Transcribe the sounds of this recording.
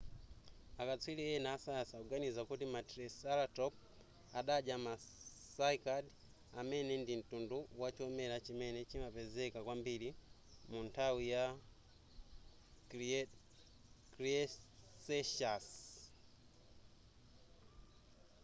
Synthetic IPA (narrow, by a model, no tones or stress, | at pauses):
akat͡sʰwiliɛnaːsasakuɡanizakutimatɾisalatɔp̚ | aɗad͡ʒamasaikad | amɛnɛndin̩tunduwat͡ʃiɔmɛlat͡ʃimɛnɛt͡ʃimapɛzɛkakwambili | muntʰawija | kɾiɛsɛʃas